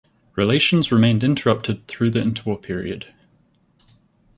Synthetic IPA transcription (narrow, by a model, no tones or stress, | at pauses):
ɹɪleɪʃə̃nzɹɪmẽɪ̃ndɪ̃ntʰəɹʌp̚tʰɪd̪̚θɹʉːðiɪ̃ntʰəwɔpʰɪɹḭə̰d̥